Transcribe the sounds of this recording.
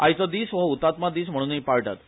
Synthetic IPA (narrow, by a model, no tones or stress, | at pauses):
ajt͡səd̪iːsʋəut̪at̪mad̪iːsm̤əɽ̃uːnipaɭʈa̰t̪